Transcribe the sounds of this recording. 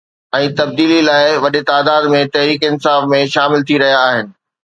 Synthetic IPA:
ɛ̃ːt̪ɐb̚d̪iːlilaːɪʋɐɗɪt̪aːd̪aːd̪mẽt̪ɐɦɾiːkɪnsaːfmẽʃaːmɪlt̪ʰiɾɐɦijaːɦɪnɪ̆

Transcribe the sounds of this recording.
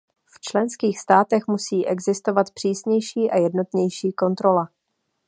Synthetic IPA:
ft͡ʃlɛnskiːxst̪aːt̪ɛxmusiːʔɛɡzɪst̪o̞vat̪pr̥iːsɲɛjʃiːʔajɛdno̞t̪ɲɛjʃiːko̞nt̪ɾo̞la

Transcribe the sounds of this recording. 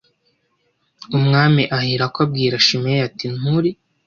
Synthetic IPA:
umŋaːmiʔahiɾakoab̚ɡiːɾaʃimejatinuɾi

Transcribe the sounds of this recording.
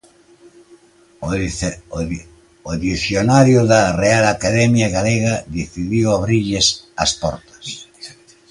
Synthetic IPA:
oðiθjonaɾjʊðɐrealakaðɛmjaɣaleɣɐðiθiðiwaβɾiʎɪsɐ̰spɔ̰ɾt̪ɐ̥s

